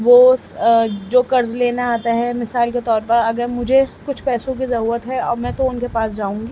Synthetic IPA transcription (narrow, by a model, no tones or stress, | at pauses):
ʋoː | d͡ʒoːkɐɾzleːnaaːt̪aɦɛmɪsaːlket̪ɔːɾpɐɾɐɡəɾmʊd͡ʒʱekʊt͡ʃʰpɛːsõk̬izɐɾuːɾət̪ɦɛɔːɾmɛ̃ːt̪oʊnkepaːsd͡ʒaːũːŋɡiː